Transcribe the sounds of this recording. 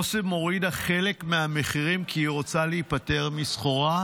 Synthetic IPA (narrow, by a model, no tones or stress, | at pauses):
osemo̞ʁidaχe̞le̞kmeame̞χiʁimkiːʁo̞t͡saleipate̞ʁmisχo̞ʁa